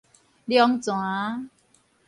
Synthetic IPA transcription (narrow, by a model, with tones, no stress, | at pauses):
ljɔ˦ŋt͡sw̃ã˨˦